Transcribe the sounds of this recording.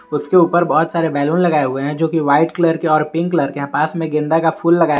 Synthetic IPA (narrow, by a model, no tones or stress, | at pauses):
ʊskeuːpəɾbɔːʊt̪saːɾebɛːluːnlɐɡaːeɦʊeɦɛ̃d͡ʒoːkiʋaːɪʈkləɾkeɔːɾpɪ̃ŋkləɾkeɦapaːsmẽɡɪ̃nd̪akafuːlːɐɡaːj